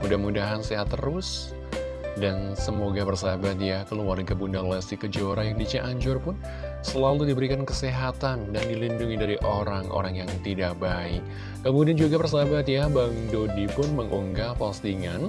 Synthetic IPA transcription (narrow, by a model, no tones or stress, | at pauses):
mudahmudaɦanseɦat̪ːəɾʊs | dansəmoɡabərsabat̪jakəluarɡabundalast̪ikəd͡ʒoɾajaŋdit͡ʃiʔaɲd͡ʒʊrpʊn | səlaludibəɾikankəseɦat̪andandilinduŋidaɾiʔoɾaŋo̰ɾaŋjaŋt̪idaʔ̚baɪk̚ː | əmudiand͡ʒuɡapərs̬abat̪̚jabaŋdodipʊnməŋʔuŋɡapast̪iŋan